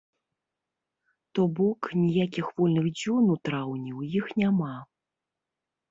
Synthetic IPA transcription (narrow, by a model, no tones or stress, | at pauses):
t̪ɔbɔknʲijakʲixvɔlʲnɨɣd͡zʲɔnut̪ɾawnʲiwjixnʲama